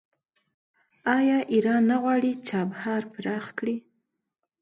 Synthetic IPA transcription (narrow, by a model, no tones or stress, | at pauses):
ɑjɑʔiɾɑnːaɣwɑɽit͡ʃɑbhɑɾpɾɑxkɽi